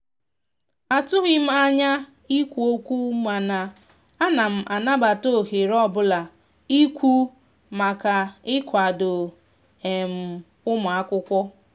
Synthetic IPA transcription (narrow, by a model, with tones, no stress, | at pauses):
a˨tʊ˦ɦɪ˦m̩˦a˦ɲa˦ | i˦kʷu˨o˦kʷu˦ma˨na˨ | a˦na˨m̩˨ʔa˨na˦ba˨to˦˨ɦe˨ɾɔ˦˨bʊ˦la˨ | i˦kʷu˦ | ma˨ka˨ɪ˦kʷa˨dʊ˨ | e˨m̩˨ | ʊ˦mʊ˨a˦kʷʊ˦kʷɔ˦